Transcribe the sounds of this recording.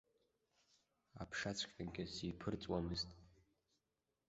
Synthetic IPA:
a̰pʰʂat͡sʷʰkʲʼaɡʲɪsipʰɨrt͡sʼwamɨztʼ

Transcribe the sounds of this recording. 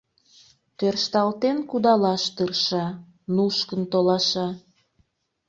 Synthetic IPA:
t̪ørʃt̪ɑlt̪enkud̪ɑlɑʃt̪ɯrʃɑ | nuʃkənt̪olɑʃɑ

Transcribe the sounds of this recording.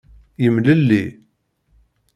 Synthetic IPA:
jəmləlːi

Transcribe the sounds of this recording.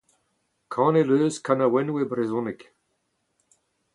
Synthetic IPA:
kʰɑ̃ːneløːskʰanawɛnwebɾezɔnɪk

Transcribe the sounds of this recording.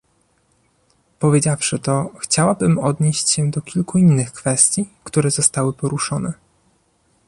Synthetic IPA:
pɔvʲjed͡ʑafʂɘt̪ɔxt͡ɕawabɘmɔd̪ɲeɕt͡ɕɕɛd̪ɔkʲilkuinːɘxkfɛst̪ʲjikt̪uɾɛzɔst̪awɘpɔɾuʂɔnɛ

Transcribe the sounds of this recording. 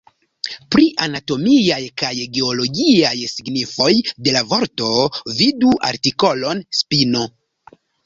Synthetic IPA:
pɾiʔanato̞miajkajɡe̞olo̞ɡiajsiɡnifo̞jde̞lavo̞ɾto̞viduʔa̰ɾtiko̞lo̞nspino̞

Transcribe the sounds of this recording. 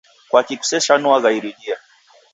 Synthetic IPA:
kwakiku̥sɛʃanuaɣaiɾiɗia

